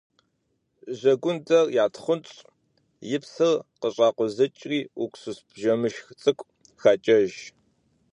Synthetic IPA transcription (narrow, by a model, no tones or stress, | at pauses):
ʑɐɡʷʊndɐrjaːtχʷʊnt͡ʃʼ | jɪpsɨrqəɕʼɑːqʷʊzɨt͡ʃʼriːʊkʷʰʼsusbʒɐmɨʃxt͡sʼɨkʷʼ | xaːt͡ʃʼɐʒ